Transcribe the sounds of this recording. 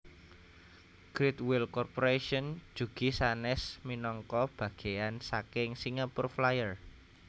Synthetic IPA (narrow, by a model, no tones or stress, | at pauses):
ɡ̥ɾit̪wɪlkɔrpoɾeʃɔn̥d͡ʒ̥ṳɡ̥i̤sanɛsminɔŋkɔb̥a̤ɡ̥e̤ansakɪŋsiŋapʊrflajər